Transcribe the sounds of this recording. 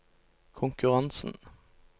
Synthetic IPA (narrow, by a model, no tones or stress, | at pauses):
kʰʊŋkʉʁɑnsn̩